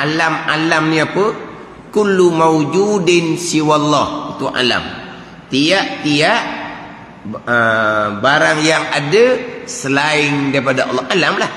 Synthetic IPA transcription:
ʔalama̰lamniapə | kulːumawd͡ʒudɪnsiwalːɑhit̪ua̰la̰m | t̪iaʔt̪iaʔ | əbaɾaŋjaŋadəsəlaɪŋdaɾipadaʔɑ̰lːɔhʔalamlah

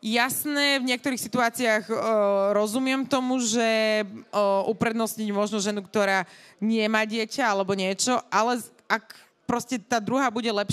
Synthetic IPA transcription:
jasnɛːvɲɪɛk̚t̪ɔɾiːxsit̪uaːt͡siaːɣɾɔzumɪɛmt̪ɔmuʒɛ | ʔupɾɛd̪nɔsɲiɟmʊɔʒnɔʒɛnukt̪ɔɾaːɲɪɛmaːɟɪɛcaalɛbɔɲɪɛt͡ʃɔʔalɛ | ak | pɾɔscɛt̪aːd̪ɾuɦabuɟɛlɛp

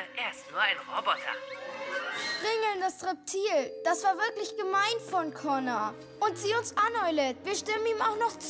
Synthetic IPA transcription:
ʔeːɐɪstnuːɐʔaɪnʁobɔtʰɐ̰ | ʁɪŋl̩ndasʁɛp̚tʰiːld̥asv̥aːɐvɪɐklɪçɡ̥əmaɪnfɔnkʰɔna | ʔʊntz̥iːʊnsʔanɔʏlətv̥iːɐʃtɪməniːmaʊxnɔχt͡s

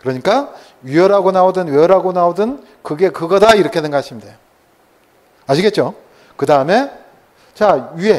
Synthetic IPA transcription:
kɯɾʌɲik͈a | ɥiʌɾaɡonaodɯnɥiʌɾaɡonaodɯn | kɯɡe̞kɯɡʌdaiɾʌkʰenenɡʌaɕʰimdeo | aɕʰiɡe̞t̚t͡ɕ͈o | kɯdaɯme̞ | t͡ɕaie̞

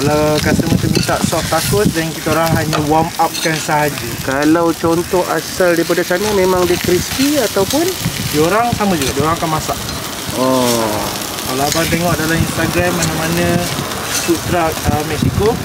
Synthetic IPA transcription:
kalawkasəmənt̪umint̪aʔsɔft̪akʊt̪̚dɛnkit̪aoɾaŋɦaɲə̃wamap̚kansaɦad͡ʒəkalawt͡ʃɔnt̪ɔha̰saldaipadasanəmẽmãŋdikɾispiat̪awpʊndioɾaŋsamə̃d͡ʒuɡaʔdioɾaŋakanmasaʔ | ɔ | kalaabant̪̬eŋɔʔdalahinst̪aɡɾamːanamanə̃ | sut̪ɾak̚əmɛksiko

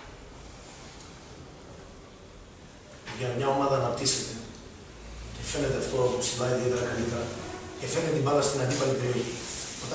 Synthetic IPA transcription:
ʝɐmɲɐo̞mɐðɐːnɐpt̪iset̪e̞ | cefe̞ne̞t̪e̞ft̪ɾousilɐiðie̞t̪eɾɐkɐlit̪eɐcefenet̪et̪imbɐlɐst̪inɐnd̪ipɐlipe̞ɾioçiot̪

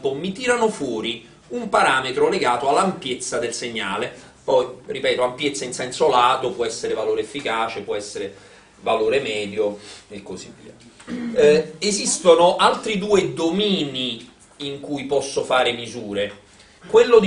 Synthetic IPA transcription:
pomit̪iːɾanofwɔːɾi | umpaɾaːmet̪ɾoleɡaːt̪oalːampjet̪sːad̪elseɲːaːle | pɔjripɛːt̪oampjet̪sːainsɛnsolaːd̪opwɔɛsːeɾevaloːɾeefːikaːt͡ʃepwɔɛsːeɾe | valoːɾemɛːd̪joekːozivːḭːa̰ | ezist̪onoʔalt̪ɾid̪uːed̪omiːni | iŋkujpɔsːofaːɾemizuːɾe | kwelːod̪

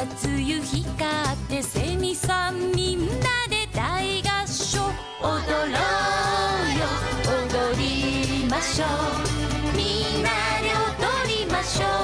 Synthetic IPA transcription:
t͡sɨjɯçikat̪ːe̞se̞mʲisãmmʲĩnːad̪e̞t̪aiɡaɕo | od̪oɾo | jood̪oɾimaɕo | mʲi | nːa | d̪e̞ot̪oɾimaɕo

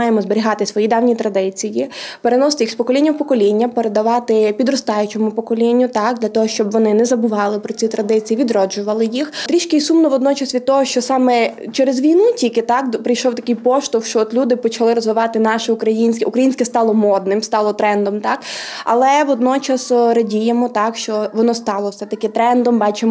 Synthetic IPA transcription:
ɑjemɔzbeɾʲiɦɑt̪ɪsʋɔjijd̪ɑwnʲit̪ɾɐd̪ɪt͡sʲijipeɾenɔst̪ɪikspɔkɔlʲinʲːɐwpɔkɔlʲinʲːɐpeɾed̪ɐʋɑt̪ɪpʲid̪ɾɔst̪ɑjʊt͡ʃemʊpɔkɔlʲinʲːʊt̪ɑk̚d̪lʲɐt̪ɔɦɔʃt͡ʃɔbʋɔnɪnɛzɐbʊʋɑlˠɪpɾɔt͡sʲit̪ɾɐd̪ɪt͡sʲijiʋʲid̪ɾɔd͡ʒʊʋɐlˠɪjixt̪ɾʲiʃkɪisumnɔʋɔd̪nɔt͡ʃɐsʋʲid̪̚t̪ɔɦɔʃt͡ʃɔsɑmɛt͡ʃɛɾezʋʲijnutʲikɪt̪ɑkpɾɪjʃɔwt̪ɐkɪjpɔʃt̪ɔwʃt͡ʃɔɔt̪lʲud̪ɪpɔt͡ʃɐlˠɪɾɔzʋɪʋɑt̪ɪnɑʃɪʊkɾɐjinʲsʲkʲʊkɾɐjinʲsʲkɛst̪ɑlˠɔmɔd̪̚nɪmst̪ɑlˠɔt̪ɾɛnd̪ɔmt̪ɑkɐ̰lˠɛʋɔd̪nɔt͡ʃɐsɾɐdʲijemɔt̪ɑkʃt͡ʃɔʋɔnɔst̪ɑlˠɔwsɛt̪ɐkɪt̪ɾɛnd̪ɔmbɑt͡ʃem

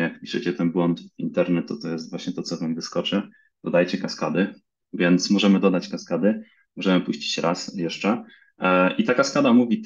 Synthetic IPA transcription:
jakpʲi̥ʂɘt͡ɕɛt̪ɛnbwɔnt̪ḭnt̪ɛɾnɛt̪ːɔt̪ɔjɛst̪vwaɕɲɛt̪ɔt̪sɔvamvɘskɔt͡ʂɘ | d̪̥ɔd̪ajt͡ɕɛkaskad̪ɘ | vʲjɛnt̪smɔʐɛmɘd̪ɔd̪at͡ɕkaskad̪ɘ | mɔʐɛmɘpuɕt͡ɕi̥t͡ɕɾʔa̰sjɛʂt͡ʂɛ | ʔit̪akaskad̪amuvʲit̪

